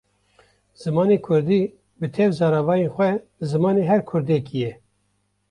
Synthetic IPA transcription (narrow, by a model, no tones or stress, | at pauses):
z̥ɨmɑːneːkʰʊɾd̪iː | bɨt̪ʰɛvzɑːɾɑvɑːjenxʷɛ | zɨmɑːneːɦɛɾkʰʊɾd̪ekʰijɛ